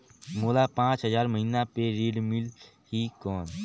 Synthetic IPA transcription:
moːlapãːt͡ʃɦəzaːɾməɦiːnapeɾiːɖmɪl | hikɔːn

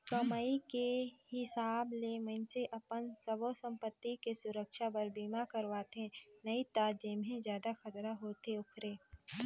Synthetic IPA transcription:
kɐmaːikehɪsaːblemə̃nseʔɐpənsəbosə̃mpət̪ːikesʊɾəkʃapəɾbiːmakəɾʋaːt̪ẽnɐit̪aːd͡ʒeːmɦẽzjaːd̪axɐt̪ɾaɦoːt̪eʊkʰɾeː

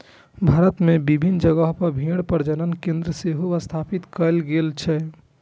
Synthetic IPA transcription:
bʱaːɾət̪mebibʱind͡ʒəɡəɦpəɾbʱĩɽpəɾd͡ʒənənkẽnd̪ɾəseɦoʋəst̪ʰaːpit̪kəlɡelt͡ʃʰɛ

